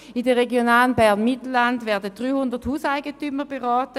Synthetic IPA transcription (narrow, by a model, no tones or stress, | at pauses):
idəʁeɡjonaːlənbɛʁnmitl̩lːandvɛɐdədʁyːhʊndəthuːsaɪɡətyməb̥eʁɔːtə